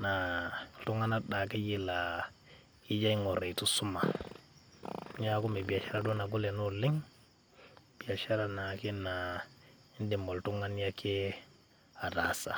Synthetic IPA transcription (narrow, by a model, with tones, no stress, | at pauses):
na˨tu˦ŋa˦na˦da˨ke˦ji˦la˨ | ki˦d͡ʒa˦i˦ŋo˨ɾe˨i˨tu˦su˦ma̰˨˦ | ɲa˦ku˦mi˨bi˨ja˨ʃa˦ɾa˦du˦na˨ɡu˦le˨nu˦li˦ŋ | b̥i˨a˨ʃa˦ɾa˨na˨ki˦na˨ | i˦ndi˨mbo˨ltu˦ŋa˦n˦a˦ke˦ | a˨da˨sa̰˨